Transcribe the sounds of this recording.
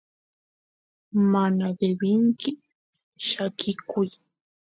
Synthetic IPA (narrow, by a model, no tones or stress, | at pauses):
manabebɪŋkɪ | ʃakʰɪkʊj